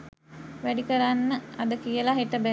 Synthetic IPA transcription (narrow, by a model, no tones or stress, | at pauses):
ʋæɖikəɾanːəad̪əkijəlaɦeʈəbæ